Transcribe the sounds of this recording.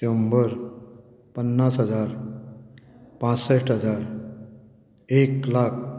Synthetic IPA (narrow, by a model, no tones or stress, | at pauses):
t̪əmbəɾ | pənːasɦəd͡zaɾ | pãt͡sseʈʰɦəd͡zaɾ | eklak̚ʰ